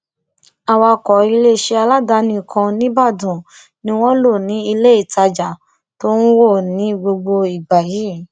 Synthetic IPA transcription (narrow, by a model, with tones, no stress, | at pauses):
a˨wa˧kɔ˨i˧le˦˨ʃe˧a˧la˦da˧˦nĩ˧˦˨kʰã˧nĩ˦ba˦˨dũ˨ | nĩ˧˦w̃ɔ̃˦lo˦˨nĩ˨˦i˧le˦i˦˨ta˧d͡ʒa˨ | to˦n̩˦wo˦˨nĩ˨˦ɡ͡bo˧ɡ͡bo˧i˨ɡ͡ba˨ji˨˦